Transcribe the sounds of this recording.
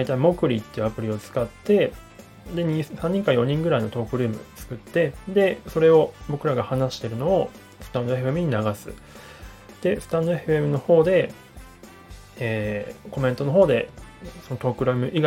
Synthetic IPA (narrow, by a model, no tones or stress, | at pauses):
d̪ait̪aimo̞kɯ̟ɾʲit̪ːe̞iɯ̟apɯ̟ɾʲio̞t͡sɨ̥kat̪ːe̞ | d̪e̞ɲ̟isãɲ̟ːĩŋkãjõ̞ɲ̟ĩŋɡɯ̟ɾaino̞t̪o̞ːkɯ̟ɾɯ̟ːmɯ̰t͡sɨ̥kɯ̟t̪ːe̞d̪e̞so̞ɾe̞o̞bo̞kɯ̟ɾaɡahanaɕi̥t̪e̞ɾɯ̟no̞ː | sɨ̥t̪ãnd̪o̞e̞ɸɯe̞mɯ̟ɲ̟inaɡasɨ̰ | d̪̥e̞sɨ̥t̪ãnd̪o̞eɸɯ̟e̞mɯ̟no̞ho̞ːd̪e̞ | eːko̞mẽ̞nt̪o̞no̞ɦo̞ːd̪e̞so̞not̪o̞ːkɯ̟ɾɯ̟ːmɯ̟ʔi